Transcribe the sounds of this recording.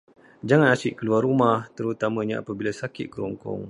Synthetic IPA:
d͡ʒaŋanasɪʔkəluarumaht̪əɾut̪amãɲaa̰pabilasakɪt̪̚kəɾɔŋkɔ̰ŋ

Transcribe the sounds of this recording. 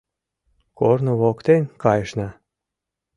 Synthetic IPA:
kornoβokt̪enʲkɑjəʃnɑ

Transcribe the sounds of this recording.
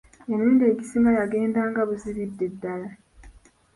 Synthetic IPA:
enuːndie̞ːɟisimajaɡe̞ːndaːŋɡaβuziβidːe̞dːala

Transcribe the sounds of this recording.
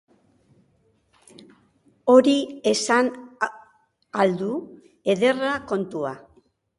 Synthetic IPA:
o̞ɾie̞san | ald̪u | e̞ðe̞rako̞nt̪ua̰

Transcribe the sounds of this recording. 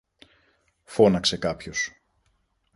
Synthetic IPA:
fo̞nɐkse̞kɐpços

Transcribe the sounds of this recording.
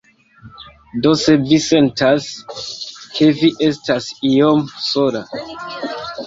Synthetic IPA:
do̞se̞vise̞ntas | kʰe̞viʔe̞stasijomsola

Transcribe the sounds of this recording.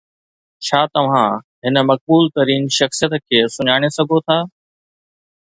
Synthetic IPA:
t͡ɕʰaːt̪ɐʋ̤ã | ɦɪnə̆mɐk̚buːlt̪ɐɾiːnʃɐxsijət̪kʰeːsʊɲaːɽ̃esɐɡʱot̪ʰaː

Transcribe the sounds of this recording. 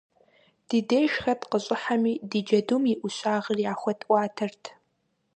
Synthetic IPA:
d̥ɨdeːʃxɐdqəɕʼɪħamiːdɨd͡ʒɐdumiʔʷʊɕaːʁərjaːxʷɐtʰʼʔʷɑːtʰɨrtʰ

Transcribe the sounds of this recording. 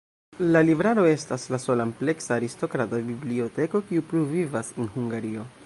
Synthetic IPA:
lalivɾaɾo̞e̞staslaso̞lample̞ksaːɾisto̞kɾatabiblio̞te̞ko̞kiupɾuvivasenhuŋɡaɾio̞

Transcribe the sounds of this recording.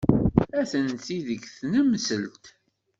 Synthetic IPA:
æθənθiðəɡθnəmsəlt̪

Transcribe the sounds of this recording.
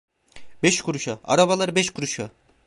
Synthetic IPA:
bɛʃkʰuɾuʃaa̰ɾaβalˠaɾɯbɛʃkʰuɾuʃa

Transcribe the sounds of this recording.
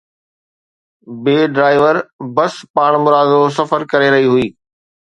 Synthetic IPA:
beːɖɾaːɪʋəɾbɐspaːɽ̃mʊɾaːd̪os̬ɐfəɾkɐɾeɾɐɦiɦʊiː

